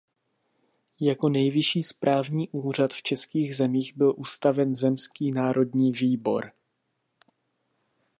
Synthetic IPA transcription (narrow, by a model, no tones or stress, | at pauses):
jako̞nɛjvɪʃiːspɾʔaːvɲiːʔuːr̝at̪ft͡ʃɛskiːɣzɛmiːɣbɪlʔust̪avɛnzɛmskiːnaːɾʔo̞dɲiːviːbo̞̰ɾ